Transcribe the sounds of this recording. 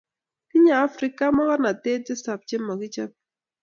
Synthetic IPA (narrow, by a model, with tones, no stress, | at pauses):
ki˦ɲaː˨˦fɾi˦ka˦mɔ˦kɔ˦na˨te˦d͡ʒɪ˦sa˨p̚t͡ʃɪ˦mːɔ˨kɪ˦t͡ʃa˦p̚